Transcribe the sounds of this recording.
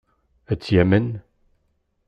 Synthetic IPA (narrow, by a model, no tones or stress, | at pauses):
æt͡sːjæmən